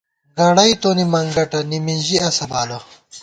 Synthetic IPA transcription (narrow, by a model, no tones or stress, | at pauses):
ɡɐɽɐjt̪oːnimɐŋɡɐʈɐniminʑiɐsɐbaːlo